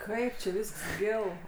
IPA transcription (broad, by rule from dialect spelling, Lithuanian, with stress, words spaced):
ˈkɐɪp t͡ʃʲɪ ˈʋʲiːsks ˈɡʲɪlˠ